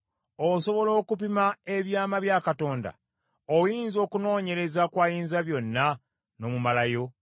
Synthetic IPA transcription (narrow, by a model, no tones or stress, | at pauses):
oso̞βo̞lo̞ːkup̬imae̞βjaːmaβjaːkato̞ːnda̰ | ojiːnzo̞ːkuno̞ːɲe̞ɾe̞zakwaːjiːnzaβjo̞nːa | no̞ːmumalajo̞